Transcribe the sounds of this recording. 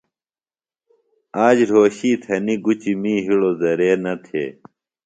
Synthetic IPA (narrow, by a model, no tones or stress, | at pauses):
aːd͡ʑɾoːɕiːt̪ʰɐniɡut͡ɕimiːɦiɽozɐɾeːnɐt̪ʰḛː